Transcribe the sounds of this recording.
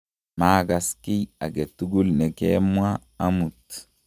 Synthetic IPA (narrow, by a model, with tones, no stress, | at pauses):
maː˦ɡa˨ski˦a˨ɡɛ˨t̪ːu˦ɡu˦lnɛ˨kḛmwaː˦ | mu˨t̪